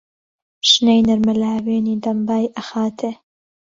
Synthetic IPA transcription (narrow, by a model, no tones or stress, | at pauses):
ʃnejnɐɾmɨlaːweːniːd̪ɐmbaːjʔɐxaːt̪ʰe